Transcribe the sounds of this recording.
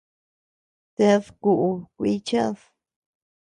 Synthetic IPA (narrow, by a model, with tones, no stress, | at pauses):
t̪e˧ðku˧ʔu˧kʷi˧t͡ʃa˦ð